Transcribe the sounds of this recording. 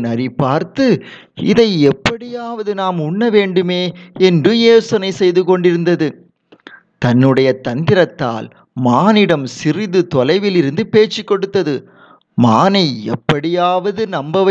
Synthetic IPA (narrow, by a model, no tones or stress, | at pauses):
nɐɾipaːɾt̪ɯ | ɪ̰ðɐɪɛpːɐɽɪjaːʋɐðɯnaːmʊɳːɐʋeːɳɖɯmeːɛndrɯjeːsɐnɐɪsɛjðɯkɔɳɖɪɾɯnd̪ɐðɯ | t̪ɐnːɯɽɐjɐt̪ɐnd̪ɪɾɐt̪ːa̰ːl | maːnɪɽɐmsɪrɪðɯt̪ɔlɐɪʋɪlɪɾɯnd̪ɯpeːt͡ʃːikːɔɽɯt̪ːɐðɯ | maːnɐɪɛ̰pːɐɽɪjaːʋɐðɯnɐmbɐʋɐ